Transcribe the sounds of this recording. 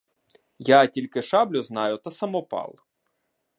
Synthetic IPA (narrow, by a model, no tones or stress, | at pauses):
jatʲilʲkɪʃɑblʲʊznɑjʊt̪ɐsɐmɔpɑ̰lˠ